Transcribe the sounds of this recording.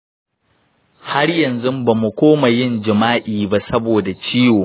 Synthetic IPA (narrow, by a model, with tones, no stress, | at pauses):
ha˦rjɐ˨nzʊ˦mba˨mu˨kʷoː˦ma˨jɪ˦˨nd͡ʒɪ˨maː˦ʔiː˨ba˦sɐ˦boː˨da˨t͡ʃiː˦woː˨